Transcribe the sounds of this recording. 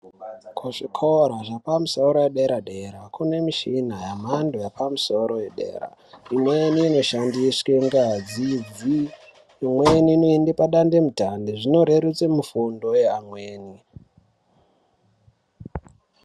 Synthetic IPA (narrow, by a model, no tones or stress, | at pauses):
kʰuʂikʰoɾaʐapamusoɾojeɗeɾaɗe̞ɾakune̞miʃin̤ajam̤andojapʰamuso̞ɾo̞jeɗe̞̰ːra̰imweniːno̞ʃandiskeŋɡad͡zid͡ziː | mweniːnoendepaɗandemutandiʐino̞ɾeɾut͡semufundo̞jeamwe̞ːni